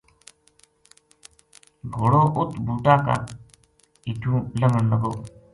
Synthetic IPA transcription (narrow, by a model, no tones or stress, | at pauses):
ɡʱoɽoːʔʊt̪ʰbʱuːʈ̪aːka̰ː | iːʈʰũːləŋəɳnəɡoː